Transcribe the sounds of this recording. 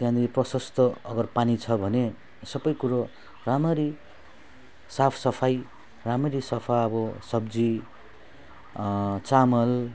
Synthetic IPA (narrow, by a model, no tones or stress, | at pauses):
t̪jãnd̪iprʌsʌst̪ʌʌɡʌrpanit͡sʰʌbʱʌne | sʌbʌjkuɾo | ramʌɾi | sapʰsʌpʰaj | ramʌɾisʌpʰaʌbʌsʌbd͡zi | t͡samʌl